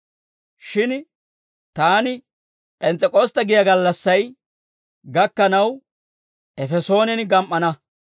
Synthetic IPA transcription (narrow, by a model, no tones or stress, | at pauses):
ʃɪn | t̪aːnɪ | pʼɛnt͡sʼɛkʼoːst̪ɐɡɪjɐɡɐlːɐsːɐj | ɡɐkːɐnɐw | ʔɛfɛso̞ːnɛnɡɐmʔːɐnɐ